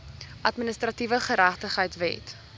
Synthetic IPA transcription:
ʔɐtminəstrɐtivəχəɾæχtəχɦəjtvɛ̰t

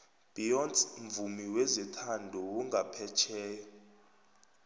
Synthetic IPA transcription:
b̥iɔntɱvumiwezɛtʰandʱɔwuŋɡʱapʰɛt͡ʃʰɛːjɔ

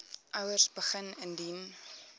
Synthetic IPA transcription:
ʔœwərsbəχənəndin

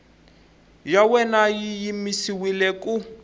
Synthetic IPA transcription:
jawɛnajijimisiwilɛkʼu

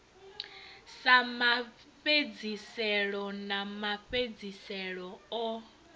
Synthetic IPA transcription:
sama | ɸed͡zisɛɺɔnamaɸed͡zisɛɺɔɔ

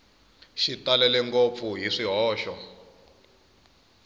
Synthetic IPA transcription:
ʃitalɛlɛŋkop̪fuɦiʂiɦɔːʃɔ

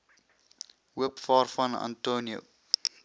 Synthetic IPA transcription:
ɦuəpfɑːrfɐna̰ntonio̰

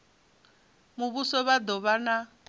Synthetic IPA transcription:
muβusɔβad̪ɔβana

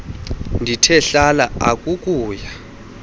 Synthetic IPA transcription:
ndʱitʰɛɬalaa̰kʼukʼuːja

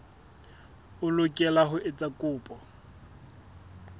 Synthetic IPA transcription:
ʊlʊkʼɛlaɦʊʔɪt͡sʼakʼʊːpʼɔ

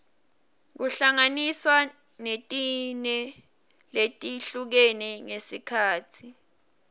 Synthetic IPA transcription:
k̬uɬaŋaniswa | netʼinɛ | letʼiɬuk̬enɛŋesikʰaːtʰi

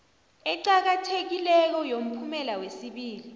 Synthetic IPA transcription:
ɛǀak̬atʰek̬ilɛk̬ɔjom̩pʰumɛlawesiɓiːli

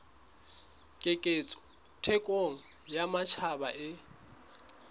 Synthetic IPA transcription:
kʼɪkʼet͡sʼɔ̥ | tʰɛkʼoŋ̩jamat͡ʃʰabaʔɪ

